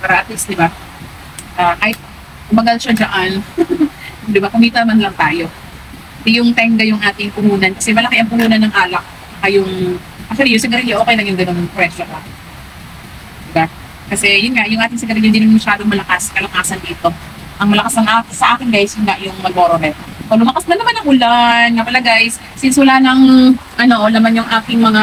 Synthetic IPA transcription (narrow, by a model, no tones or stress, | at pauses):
pɐɾɐaʔat̪ɪsd̪ɪba | ʔakaːhɪt̪̚ | ʊmbɐɡɐlʃad͡ʒɐʔan | d̪ɪbakʊmiːt̪ɐnɐmɐnlɐŋt̪aːjo̞ | ɛjʊŋt̪ɛŋɡɐjʊŋʔaːt̪ɪŋpʊhuːnɐnkɐsɛmɐlɐkeʔɐŋpʊhuːnɐnːɐŋʔaːlɐk̚ | ɐkɐjʊŋ | ʔak̚ʃɐlijʊsɪɡɐɾɪɡɪʔokɛjlɐŋjʊŋɡɐnonɐpɾɛʃoha | d̪ɪba | kɐsɛjʊnŋaʔjʊŋʔaːt̪ɪŋsɪɡɐɾɪɪd̪ɪnʊŋmɐʃaːd̪oŋmɐlɐkaskɐlɐkaːsɐnd̪iːt̪o̞ | ʔɐŋmɐlɐkasnɐŋʔaːksɐʔaːkɪŋɡajɪsjʊnɡaʔjʊŋmɐɡ̚oɾoɦɛt̪ | ʔolʊmɐkasɐnːɐmanːɐŋʔʊlanŋɐpɐlɐɡajs | sɪnswɐlanɐŋʔɐno̞ʔnɐmanjʊŋʔaːt̪ɪŋmɐŋa